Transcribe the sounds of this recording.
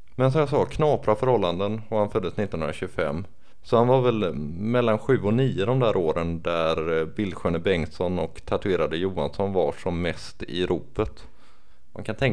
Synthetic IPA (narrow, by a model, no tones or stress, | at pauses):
mɛns̬ɔmjas̬ɑːkʰnɑːpɾafœɾhɔlːand̪ənɔhanfœd̪ːəsnɪt̪ːnɵnɾaɕɵɡəfɛ̰mː | sɔhanvaɾvɛlmɛlːanɧʉ̟ːɔniːəd̪ɔmd̪æːɾʔoːɾənd̪æɾbɪlːɧøːnəbɛŋsɔnɔkt̪ʰat̪ɵeːɾad̪əjuːansɔnvaʂɔmːɛst̪ɪ̰ɾʔuːpət̪ | mʔa̰nkʰant̪ʰɛŋ